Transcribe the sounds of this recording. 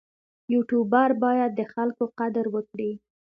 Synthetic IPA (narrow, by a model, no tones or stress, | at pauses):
juʈubɑɾbɑjad̪̚ːəxalkoqad̪əɾwəkɽi